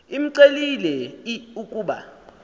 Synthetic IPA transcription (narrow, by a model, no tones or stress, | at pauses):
im̩ǀelilɛiukʼuːɓa̰